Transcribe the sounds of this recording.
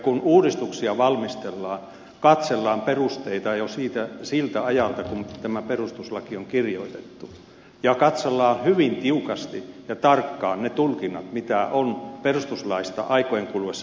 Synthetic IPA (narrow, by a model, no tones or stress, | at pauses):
kunuːdist̪uksiɑʋɑlmist̪elːɑːn | kɑt̪selːɑːmperust̪eit̪ɑjosiːt̪æsilt̪æɑjɑlt̪ɑkunt̪æmæperust̪uslɑkioŋkirjo̰it̪et̪ːu | jɑkɑt̪selːɑːnhyʋint̪iukɑst̪ijɑt̪ɑrkːɑːnnet̪ulkinːɑt̪mit̪æʔonperust̪uslɑist̪ɑ̰ʔɑikojeŋkulʋesː